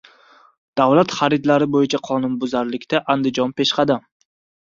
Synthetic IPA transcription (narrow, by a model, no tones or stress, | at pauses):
d̪̥awlat̪χaɾɪd̪laɾɪbojɪt͡ʃʰaqʰɒnʊnbʊzaɾlɪkʲt̪aʔand̪ɪd͡ʒɒnpeʃqɑd̪am